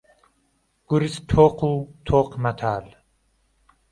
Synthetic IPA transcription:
ɡ̥uɾist̪ʰoːqʰut̪ʰoːqmat̪ʰaːl

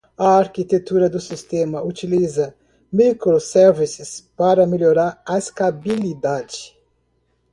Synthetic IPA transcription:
ɐaɾkit̪et̪uɾɐd̪ʊsist̪ẽmɐut͡ʃilizɐ | mikɾosɛɾvisɪspaɾɐmeloɾaɾɐest̪abilid̪ad͡ʒi̥

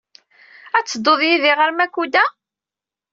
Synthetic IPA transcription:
æt͡sːəd̪ˤːoðˤjiðiʁəɾmækːud̪æ

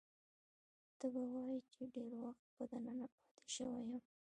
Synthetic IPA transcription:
d̪̥əbawɑjit͡ʃeɖeɾwaxt̪̚pəd̪ananaaht̪e̥ʃəwajəm

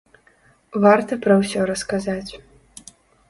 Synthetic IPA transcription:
vart̪ɐpɾɐwsʲɔɾɐskazat͡sʲ

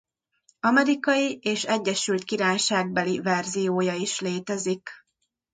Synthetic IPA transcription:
ɒmɛɾikɒjieːʃɛɟːɛʃylt̪kiɾaːjʃaːɡ̚bɛlivɛrzijoːjɒiʃleːt̪ɛzik

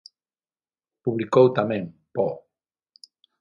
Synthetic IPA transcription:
puβlikowt̪amẽŋpɔ

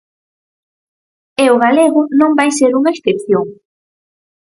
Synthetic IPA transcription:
eʊɣaleɣʊnõmbajseɾuŋaesθepθjoŋ

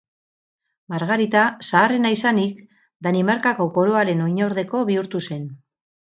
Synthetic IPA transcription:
maɾɣaɾit̪asaːre̞naisanik | d̪animaɾkako̞ko̞ɾo̞aɾe̞no̞ɲo̞ɾðe̞ko̞βiuɾt̪use̞n

